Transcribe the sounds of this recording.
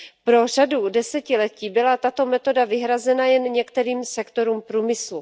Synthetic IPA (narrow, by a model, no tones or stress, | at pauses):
pɾo̞r̝adudɛsɛcɪlɛciːbɪlat̪at̪o̞mɛt̪o̞davɪɦɾazɛnajɛnɲɛkt̪ɛɾiːmsɛkt̪o̞ɾuːmpɾuːmɪslu